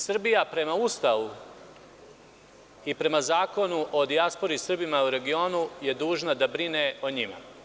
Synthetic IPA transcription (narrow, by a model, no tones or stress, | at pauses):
sr̩bijapɾe̞maust̪aʋu | ipɾe̞mazaːko̞nuʔo̞d̪iaspo̞ɾisr̩bimauɾe̞ɡio̞ːnuje̞d̪uːʒnad̪abɾineoɲima̰